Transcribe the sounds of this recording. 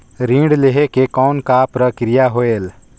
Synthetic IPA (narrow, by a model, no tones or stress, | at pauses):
ɾĩːɖleɦekekɔːnkapɾəkɾijaɦoeːl